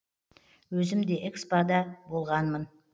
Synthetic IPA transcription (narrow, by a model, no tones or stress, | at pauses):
wɵzɪmd̪e̞ʔekspad̪ɑbo̞lˠʁɑnmən